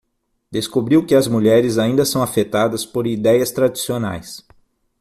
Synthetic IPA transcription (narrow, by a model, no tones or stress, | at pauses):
d̪̥eskobɾiwkɪɐzmuʎɛɾɪzaĩnd̪ɐsɐ̃w̃afet̪ad̪ɐspoɾid̪ɛjɐst̪ɾad͡ʒisiona̰js